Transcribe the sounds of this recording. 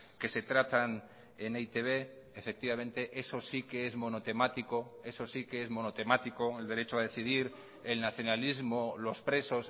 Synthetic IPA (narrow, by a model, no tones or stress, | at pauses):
ke̞se̞t̪ɾat̪an | eneit̪e̞β̞e̞ː | fe̞k̚t̪iβamẽ̞nt̪e̞ʔe̞so̞sikeezmo̞no̞t̪e̞mat̪iko̞e̞so̞sikeezmo̞not̪e̞mat̪iko̞e̞ld̪e̞ɾe̞t͡ʃoaðe̞θið̞iɾ | e̞lnaθjo̞nalizmo̞lo̞spɾe̞so̞s